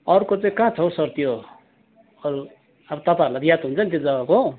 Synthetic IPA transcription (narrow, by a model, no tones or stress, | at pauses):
ʌɾkot͡sʌĩkãt͡sʰʌwsʌrt̪ijo | ʌɾu | ʌbʌt̪ʌpaɾulat̪jat̪ɦunt͡sʰʌnt̪̬jed͡zʌbako